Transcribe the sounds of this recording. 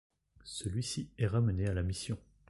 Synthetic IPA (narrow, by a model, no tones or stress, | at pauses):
səlɥisiɛʁamənealamisjɔ̃